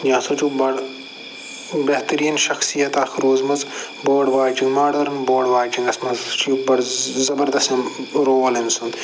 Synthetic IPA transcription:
jãːsot͡ʃubɐɽ | beht̪ɐɾiːnʃɐxsijɐt̪aːxɾoːzmɐz | boːɖʋaːjt͡ʃinmaːɽɐɾnboːɖʋaːjt͡ʃĩŋɡɐsmɐzt͡ʃubɐɽzɐbɐɾd̪ɐst̪ɐmɾoːlɐnsũnd̪

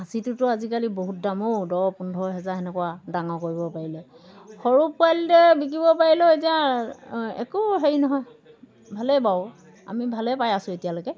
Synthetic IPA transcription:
asitʊtʊazikaliboɦut̚damodɔwpundʱɔɦɛzaɛnɛkɔwadaŋɔkoɹibɔpaɹilɛ | xɔɹupajldɛbik̬ibɔpaɹilɔet̬ia | ɛ̰kuɦeɹinɔɦɔj | bʱalɛbaw | a̰mibʱalɛpajasʊ̃etijalojkɛ

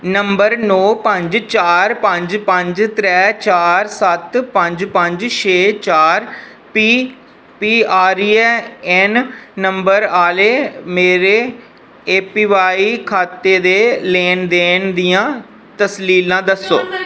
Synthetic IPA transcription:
nəmbəɾnɔːpə̃ɲd͡ʒt͡ʃaːɾpə̃ɲd͡ʒpə̃ɲd͡ʒt̪ɾɛːt͡ʃaːɾsət̪pə̃ɲd͡ʒpə̃ɲd͡ʒʃeːt͡ʃaːɾ | piː | piːaːɾiːɛɛnːəmbəɾaːleːmeːɾeː | eːpiːʋaːiːkʰaːt̪eːd̪eːleːnd̪eːnd̪ɪjãː | t̪əsliːlãːd̪əsːoː

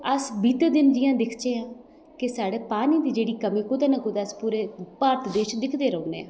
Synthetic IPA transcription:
əsbiːt̪ːd̪ɪnd͡ʒɪːãːd̪ɪkʰt͡ʃeːãː | kɪsaːɽeːpaːniːd̪iːd͡ʒeːɽiːkəmĩːkʊd̪aːnəkʊd̪aːəspuːɾeːpaːɾt̪d̪eːʃd̪ɪkʰd̪eːɾəũːnḛːãː

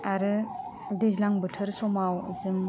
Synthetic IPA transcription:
aɾɯ | dezlaŋbɯtʰɯɾsɔmaw̰zɯŋ

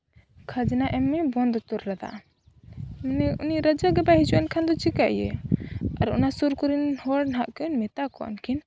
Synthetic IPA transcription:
kʰad͡ʒnaʔɛmːɛbɔnd̪t̪ɔɾɾad̪a̰ | mnɛuniɾəd͡ʒaɡɛbaɦit͡ʃuʔɛnkʰand̪ɔt͡ʃikaʔjɛ̰ | aɾɔ̰nasuɾkuɾinhɔɽnɦaʔkiunmɛt̪akɔʔɔ̰nkʰin

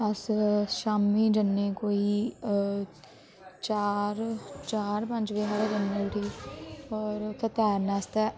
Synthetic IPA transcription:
ɐsʃaːmiːd͡ʒənːeːkoːiː | t͡ʃaːɾt͡ʃaːɾpə̃nd͡ʒʋeɦaɾd͡ʒənːeʈʰiːɔːɾt̪ət̪ɛːɾnaːst̪ɛː

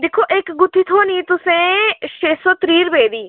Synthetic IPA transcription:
d̪ɪkʰːoʔeːkɡʊt̪ʰːit̪ʰoːnit̪ʊsẽʃeːsot̪ɾiːɾbeːd̪iː

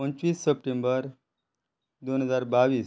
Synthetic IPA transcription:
pənt͡ɕʋiːsːəp̚ʈẽmbəɾ | d̪onɦəd͡zaɾbaʋiːs

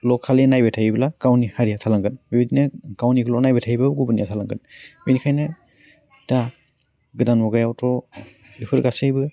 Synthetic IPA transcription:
lɔkʰalenajbetʰajiblakawnihaɾijatʰalaŋɡɯnbibidinɯkawnikɯlɔnajbetʰajbabɡubɯnijatʰalaŋɡɯnbinikʰajnɯ | d̥a | ɡɯdanwɔɡajawtɔ | ipʰɯɾɡasejbɯ

